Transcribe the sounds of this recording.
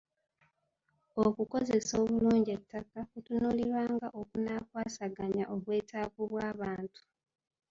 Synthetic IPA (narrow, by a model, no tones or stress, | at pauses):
okuko̞ze̞so̞ːβuluːɲɟetːakakutunuliɾwaːŋɡaʔokunakwaːsaɡaɲaʔoβwe̞ːtʰaːkuβwaːβaːntu̥